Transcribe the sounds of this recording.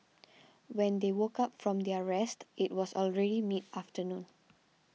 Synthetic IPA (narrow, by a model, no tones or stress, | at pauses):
wɛ̃nd̪ewokapfɹɔ̃md̪iəɹɛstʔitwɔsɔlɹɛɾimitaftənũn